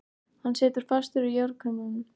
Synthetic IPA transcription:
hanːsɛːt̪ʏɾ̥fast̪ʏɾʏjœwɾkʰœmɪnʏm

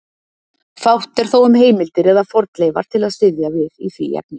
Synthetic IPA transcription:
fawht̪ɛɾ̥θowʏmɦeːjmɪlt̪ɪɾɛðafɔɾt̪lejva̰ɾ̥t̪ʰɪlaðsɪðjavɪðiθvḭjɛ̰k̚nɪ

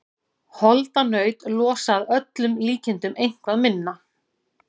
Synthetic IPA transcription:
hɔlt̪anœːɥt̪lɔːsaðœt̪lʏmliːcɪnt̪ʏmejŋ̥kvaðmɪnːa

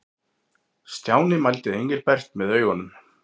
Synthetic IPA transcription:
st̪jaːwnɪmajlt̪ɪðejɲcɪlpɛr̥t̪mɛðœːɥɣɔnʏm

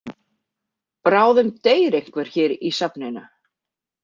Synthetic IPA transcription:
pɾaːwðʏmt̪eːjɾehkvɛɾ̥çɛːɾisapnejna

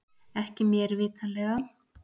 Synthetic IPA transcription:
ɛhcɪmjɛɾvɪːt̪ʰalɛːɣa

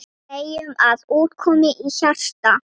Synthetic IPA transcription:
ejʏmaðuːt̪kʰɔːmɪʔiçar̥t̪a

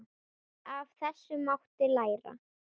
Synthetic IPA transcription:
avθɛsːʏmawht̪ɪlaːjɾa̰

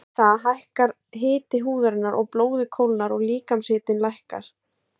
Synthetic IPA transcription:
θaðɦajhkaɾ | ɦɪːt̪ɪɦuːðaɾɪnːaɾʔɔɣploːwðɪkʰowlnaɾɔɣliːkamsɪːt̪ɪnlajhka̰ɾ̥

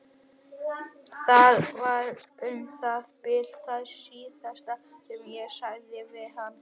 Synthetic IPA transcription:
θaðvaɾʏmθaðpɪl̥θaðsiːθast̪aɛmjɛsaɣðɪvɪðhanː

